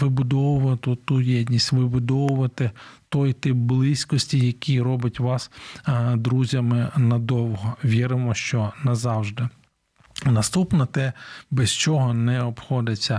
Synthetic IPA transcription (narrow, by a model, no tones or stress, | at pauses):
ʋɪbʊd̪ɔwʊʋɐt̪ʊt̪ujɛdʲnʲisʲtʲʋɪbʊd̪ɔwʊʋɐt̪ɪt̪ɔjt̪ɪpblˠɪsʲkɔsʲtʲijɐkʲiɾɔbɪtʲʋɑsd̪ɾuzʲɐmɪnɐd̪ɔwɦɔʋʲiɾɪmɔʃt͡ʃɔnɐzɑwʒd̪ɪ | nɐst̪upnɔt̪ɛbɛst͡ʃɔɦɔnɛɔpxɔd̪ɪt͡sʲːɐ